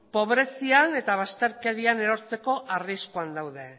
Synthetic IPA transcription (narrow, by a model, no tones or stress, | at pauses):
po̞βɾe̞siane̞t̪aβ̞ast̪e̞ɾke̞ɾiane̞ɾo̞ɾt͡se̞ko̞ʔariskuand̪awðe̞